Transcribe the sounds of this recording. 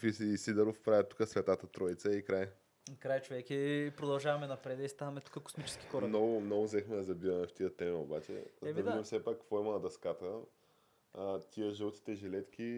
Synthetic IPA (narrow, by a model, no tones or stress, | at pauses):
fissid̪əɾofpɾavʲjət̪ːu̥kəsvʲɛt̪at̪ət̪ɾɔit̪səikɾaj | kɾajt͡ʃovɛkʲiɛpɾod̪ɐlˠʒavɐmɛnɐpɾɛd̪əist̪avɐmɛt̪u̥kəko̥smit͡ʃɛ̥ski̥xɔɾɾmnɔɡʊmnɔɡʊzɛxmɛd̪ɐzɐbivɐmɛft̪iət̪ɛmɛobat͡ʃɛ̰d̪ɐvdid̪imfsɛpakːkvɔimɐnɐd̪ɐskat̪ə | t̪ʲiəʒəlˠt̪i̥t̪ɛʒɛlɛt̪k̟ʰʲi